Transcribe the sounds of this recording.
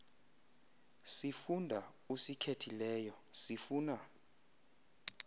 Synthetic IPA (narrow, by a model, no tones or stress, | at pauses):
sifundʱa | usikʰetʰilɛːjɔsifuːna